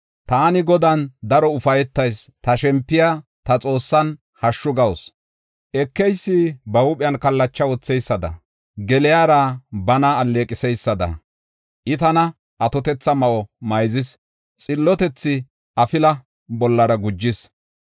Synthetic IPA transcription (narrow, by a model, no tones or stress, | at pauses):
t̪aːnɪɡɔd̪ɐnd̪ɐɾɔʊfɐjɛt̪ːɐjst̪ɐʃɛmpːɪjat̪ɐt͡sʼo̞ːsːɐn | hɐʃːʊɡɐwɔs | ʔɛkːɛjsːɪbɐwʊpʼɪjɐnkɐlːɐt͡ʃːɐwɔt͡sːɛjsːɐd̪ɐ̰ | ɡɛlɪjaːɾɐbɐnɐːlːeːkʼɪsɛjsːɐd̪ɐ̰ | ʔɪt̪ɐnɐ | ʔɐt̪ɔt̪ɛt͡sːɐmɐʔɔmɐjzɪs | t͡sʼɪlːɔt̪ɛt͡sːɪ | ʔɐfɪlɐ | bɔlːɐɾɐɡʊd͡ʒːɪs